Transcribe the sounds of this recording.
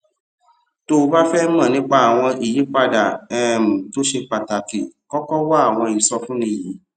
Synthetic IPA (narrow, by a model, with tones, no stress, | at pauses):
to˧ba˦fɛ˦mã˦˨nĩ˨˦k͡pa˦˨a˨w̃ɔ̃˧i˨ji˨˦k͡pa˧da˨ɛ˦m̩̃˨to˨˦ʃe˧k͡pa˨ta˨ki˨kɔ˦kɔ˦wa˦a˦˨w̃ɔ̃˧i˨˦sɔ˧fũ˦nĩ˧˨ji˨˦